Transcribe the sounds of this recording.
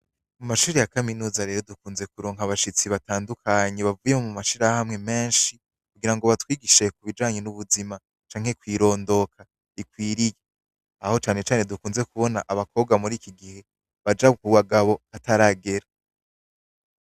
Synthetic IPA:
mumaʃuːɾejakaminuːzaɾe̞ːɾo̞dukuːnze̞k̚uɾoːŋ̥ɦaβaʃit͡siβataːndukʰaɲeβavujemomumaʃiɾahahamŋe̞me̞ːnʃi | kuɡiɾaŋɡo̞βatwiːɡiʃe̞k̚uβid͡ʒaːɲenuβuzima | t͡ʃaːŋ̥he̞kwiːɾo̞ːndo̞kʰa | ikwiːɾije | aho̞t͡ʃaːne̞t͡ʃaːne̞dukuːnze̞kuβo̞na̰ʔaβako̞ːb̚ɡamuɾiːkiɡihe̞ | βad͡ʒaukuɡwaɡaβo̞ataɾaɡe̞ɾa

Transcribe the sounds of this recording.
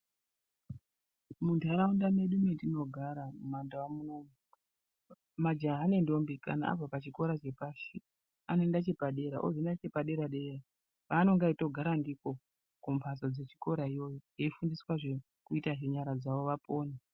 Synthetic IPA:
muntʰaɾaundane̞ɗumedino̞ɡʱaɾamumandaamunomu | mad͡ʒaːne̞ndo̞mbika̰na̰a̰b͡vapat͡ʃiko̞ɾat͡ʃe̞paʃi | ane̞ndat͡ʃe̞paɗe̞ɾaʔod͡zendat͡ʃe̞paɗe̞ɾaɗe̞ra | ʋano̞ŋɡaito̞ɡʱaɾandiko̞ | kumpʰasod͡ze̞t͡ʃi̥ko̞ɾaijo̞joje̞ifundiswaʐe | kuitaʐeɲaɾad͡zaʋo̞ʋapo̞ːna

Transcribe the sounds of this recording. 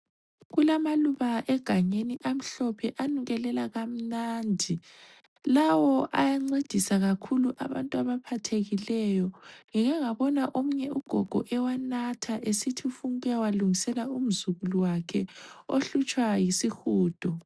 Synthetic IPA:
ɣulamaluβaʔɛɡ̥ʱaɲeniʔam̩ɬɔpʰɛʔanuɣɛlɛlaɣam̩naːndʱi | lawɔʔajaŋ͡ǀed̥ʱisaɣakʰuluʔaβantʼuaβapʰatʰeɣilɛjɔŋiŋɛŋaβɔnaʔomuɲɛuɡ̥ʱɔɡ̥ʱɔ̰ʔɛwanatʰaʔesitʰiufuŋɛjawaluŋisɛlaum̩zuɣuluwakʰɛoɬut͡ʃʼwajisixuːd̥ʱɔ

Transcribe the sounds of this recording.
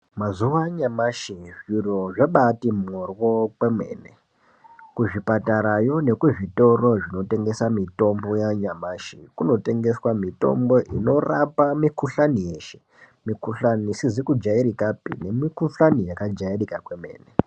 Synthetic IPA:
mazuʋaɲamaʃiʐjuroʐeɓatimorwo̞kwemwḛːne | kuʐipataɾajo̞ne̞kuʐito̞ro̞ʐino̞te̞ŋɡe̞samito̞mbo̞jaɲamaːʃikuno̞te̞ŋɡe̞swamito̞̰mbo̞ʔḭno̞rapamikuɬanije̞ːʃe̞̥ | mikuɬanisizikud͡ʒaiɾikapḭne̞mikuɬanijakad͡ʒairikakwe̞me̞̰ːne

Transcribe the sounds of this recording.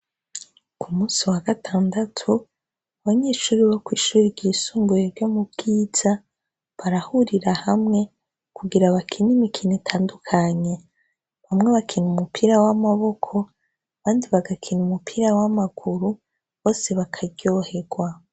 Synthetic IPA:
kʰumuːsiwaɡatʰaːndatʰu | aβaɲeːʃuːɾiβakwiːʃuːɾiɾɟiːsuːŋɡuɾeɾjomub̚ɡ̥iːz̥a | βaɾahuɾiɾahamŋe̞ | kuɡiɾaβakʰinimikʰinitʰaːndukʰaɲe̞ | βamŋe̞βakʰinumupiɾawamaβo̞kʰo̞ | aβaːndiβaɡakʰinumupʰiɾawamaɡ̥uɾu | βo̞ːse̞βakʰaɟo̞he̞ɡ̥wa

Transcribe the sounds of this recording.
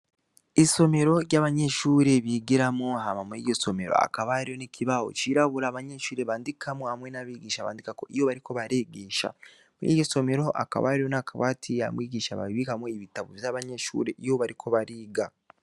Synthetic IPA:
iso̞me̞ɾo̞ɾjaːβaɲe̞ʃuːɾeβiɡiɾamoɦamamuḭɟo̞so̞me̞ɾo̞̰a̰kaβaaɾijo̞nikʰiβawo̞̰t͡ʃiɾaβuɾaːβaɲe̞ʃuːɾe̞βaːndikʰamohamwe̞naβiːɡiːʃaβa̰ːndikako̞ʔijoβaɾiko̞βaɾeɡeːʃa̰ | muḭːoso̞me̞ɾoʔa̰ka̰βaːɾijo̞nakʰaβatʰijamwiːɡiʃaβa̰βiβikamoiβitaβo̰vjaβaɲeʃṵːɾe̞ʔijo̞βaɾikʰo̞βaɾiːɡa

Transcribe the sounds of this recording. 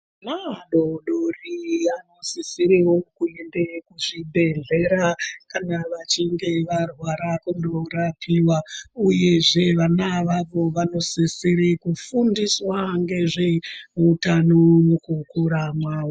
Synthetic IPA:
maɗoɗoriano̞sisiɾiwokuendekuʐibʱe̞ɮe̞ɾakanaʋat͡ʃiŋɡe̞ʋarwaɾakundoɾapʰiwauje̞ʐe̞ʋanaʋaʋoʋano̞sisiɾekufundiswaŋɡe̞ʐeutanomukukuɾamwaːwo

